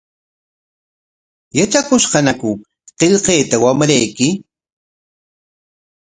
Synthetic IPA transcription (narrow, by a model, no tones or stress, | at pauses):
jat͡ʃakʊʃqɑnakʊ | qeʎqeːt̪awamɾajkɪ